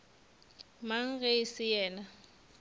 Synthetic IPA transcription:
maŋ̩ɣeɪsɪjɛːna

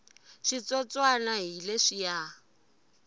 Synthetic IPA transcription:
ʃit͡sɔt͡sʼwanaɦileʂija

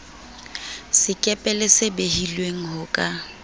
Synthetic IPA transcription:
sɪkʼɛpʼɛlɪsɪbeɦilweŋ̩ɦʊkʼa

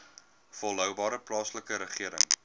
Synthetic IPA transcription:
fɔlˠɦœwbɑːɾəplɑːsləkəɾəχiəɾə̰ŋ

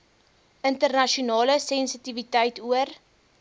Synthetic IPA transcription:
ʔəntərnɐʃiunɑːləsɛnsitivitɛjtuər

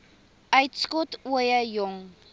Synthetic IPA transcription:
ʔœɥtskɔtuəjəjɔŋ

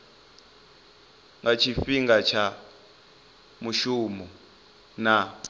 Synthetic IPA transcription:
ŋɡat͡ʃʰifiŋɡat͡ʃʰa | muʃumu | na

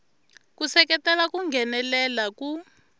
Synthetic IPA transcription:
kusɛk̬ɛtʼɛlak̬uŋɡɛnɛlɛlaku

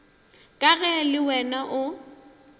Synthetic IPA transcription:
kʼaɣɛlɪwɛnaʔʊ

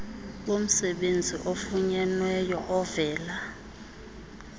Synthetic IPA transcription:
ɓom̩sɛɓend͡zʱiʔofuɲɛnwɛjɔʔɔvɛːla

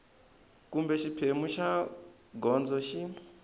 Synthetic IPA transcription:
kumbɛʃipʰemuʃa | ɡɔnd͡zɔʃi

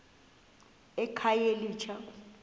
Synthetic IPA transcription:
ɛkʰajeliːt͡ʃʰa

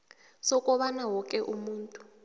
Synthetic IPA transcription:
sɔkʼɔɓanawɔkʼɛʔumuːntʼu̥

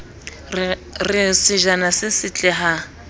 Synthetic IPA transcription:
rɪsɪʒanasɪsɪt͡ɬʼɛɦa

